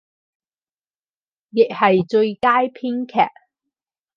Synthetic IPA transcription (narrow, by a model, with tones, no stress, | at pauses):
jɪ˨k̚hɐ˨jt͡sɵ˧ɥkaː˥jpʰiː˥ŋkʰɛ̰ː˨˩ʔ̚